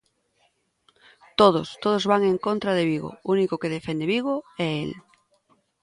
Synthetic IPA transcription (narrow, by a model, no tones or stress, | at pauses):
t̪oð̞ost̪oð̞ozβaŋẽŋkont̪ɾað̞eβiɣ̞o̰unikokeðefend̪eβiɣ̞oɛel